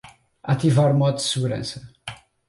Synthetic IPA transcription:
at̪ivaɾumɔd̪ud̪sɨɣuɾɐ̰̃sɐ

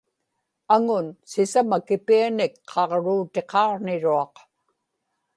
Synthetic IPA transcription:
aŋʊnsɪsamakɪpianɪkqʰɑʁɻuːt̪e̞qɑːʁnɪɻuɑq

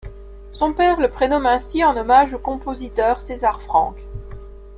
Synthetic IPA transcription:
sɔ̃pɛʁləpχenɔmɛ̃siɑ̃nɔmaʒokɔ̃pozit̪œːʁsezaʁfχɑ̰̃k

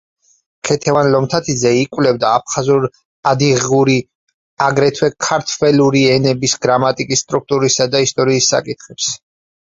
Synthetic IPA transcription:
kʰɛt̪ʰɛvanlɔmt̪ʰat̪ʰizɛikʼwlɛbd̪aːp̚ʰχazuɾ | ad̪iʁuɾi | aɡɾɛt̪ʰwɛkʰaɾt̪ʰwɛluɾiɛnɛbisɡɾamat̪ʼikʼisːt̪ʼɾuk̚t̪ʼuɾisad̪aist̪ʼɔɾiːsːa̰kʼit̪ʰχɛps

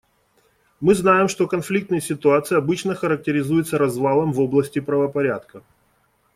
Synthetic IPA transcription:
mɨznajɪmʂt̪o̞kɐnflʲik̚t̪nɨjəsʲɪt̪ʊat̪sɨjɐbɨt͡ɕnəxəɾək̚tʲɪɾʲɪzujɪt̪səɾɐzvalˠəmvo̞blˠəsʲtʲɪpɾəvəpɐɾʲat̪kə

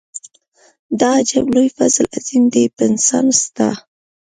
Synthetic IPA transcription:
d̪ɑd͡ʒaɡlojfazlazind̪epɪnsɑ̰nst̪a

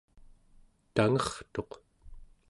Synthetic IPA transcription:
t̪aŋʌχt̪o̞q

